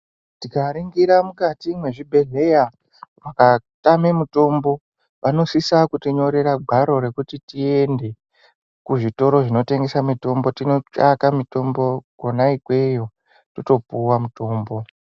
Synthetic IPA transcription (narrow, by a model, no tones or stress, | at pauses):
tikaɾiŋɡiɾamukatimwe̞ʐibʱe̞ɮe̞ja | ʋakatamemuto̞mbo̞ | ʋano̞sisakutiɲo̞ɾe̞ɾaɡʱaɾo̞ɾe̞kutitie̞nde̞ | kuʐito̞ɾo̞ʐino̞te̞ŋɡe̞samito̞mbo̞tino̞t͡ʃakamito̞mbo̞ɡonaikwe̞jo̞ | toto̞puwamuto̞ːmbo̞